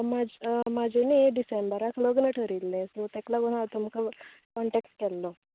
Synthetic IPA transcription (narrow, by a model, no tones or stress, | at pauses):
mad͡ʑmad͡ʑʱeniɖisembəɾakloɡnəʈʰəɾilːesut̪eklaɡuɽ̃at̪umkə | kɔɳʈekskɛlːɔ